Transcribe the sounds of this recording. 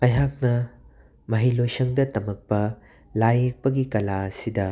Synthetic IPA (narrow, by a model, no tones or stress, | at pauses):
ɐjɦak̚nɐ | mɐɦilojsɐŋdɐtɐmɐk̚pɐ | lajek̚pɐɡikɐlaɐsidɐ